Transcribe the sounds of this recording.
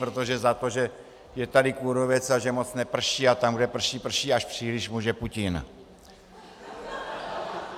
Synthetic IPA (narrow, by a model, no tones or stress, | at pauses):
pɾot̪oʒɛzat̪o̞ʒɛ | jɛt̪adɪkuɾovɛt͡saʒɛmot͡snɛpr̩ʃiːat̪amɡdɛpr̩ʃiːpr̩ʃiːaʃpr̥iːlɪʃmuːʒɛpucɪn